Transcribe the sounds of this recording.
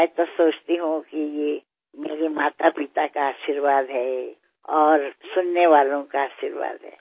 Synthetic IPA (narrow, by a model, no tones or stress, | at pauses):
mɛt̪osoːt͡ʃt̪iɦũkije | meːɾimaːt̪apɪt̪akaaːʃiɾʋaːd̪ʱɦɛ | ɔːɾsʊnːeʋaːlõkaaːʃiɾʋa̰ːd̪ɦɛ̰ː